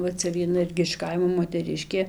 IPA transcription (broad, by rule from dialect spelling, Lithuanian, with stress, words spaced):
ʋɐ ˈt͡sʲɛ ʋʲiɛˈnɐ ˈɪrʲɡʲɪ ɪʃ ˈkɐɪmoː moːtʲɛˈrʲɪʃʲkʲeː